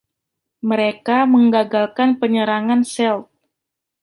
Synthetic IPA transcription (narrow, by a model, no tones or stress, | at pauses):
məɾekaməŋɡaɡalkanpəɲəɾaŋansɛlt̪̚